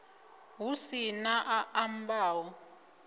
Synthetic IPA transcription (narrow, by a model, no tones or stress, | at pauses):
ɦusinaʔaʔambaːwɔ